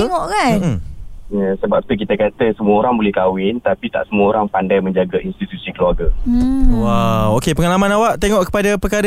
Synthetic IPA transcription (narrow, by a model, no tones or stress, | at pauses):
ŋɔʔkan̩jasəbap̚t̪uk̬it̪əkat̪əsəmuəoɾaŋbolɛhkawɪnt̪apit̪a̰ʔsəmuəoɾaŋpandajmə̃ɲd͡ʒaɡainst̪it̪usikəluarɡawawokepəŋalamãnawaʔt̪eŋɔʔkə̥padapəkaɾ